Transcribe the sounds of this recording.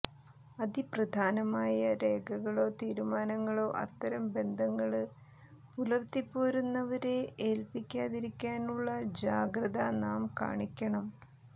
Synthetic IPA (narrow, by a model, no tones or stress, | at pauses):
ɐd̪iprɐd̪ʱaːnɐmaːjɐɾe̞ːɡʱɐɣɐɭo̞ːt̪iːɾumaːnɐŋːɐɭo̞ːʔɐ̰t̪ːɐɾɐmbe̞nd̪ʱɐŋːɐɭɨ | pulɐrt̪ipːoːɾunːɐʋɐɾe̞eːlpikʲːaːðiɾikʲːaːnuɭːɐd͡ʑaːɡɾɐðɐnaːmka̰ːɳikʲːɐɳɐm